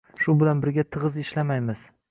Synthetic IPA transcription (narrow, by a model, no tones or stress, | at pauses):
ʃʊbɪlanbɪɾɡʲat̪ʰɨʁɨzɪʃlamajmɪz̥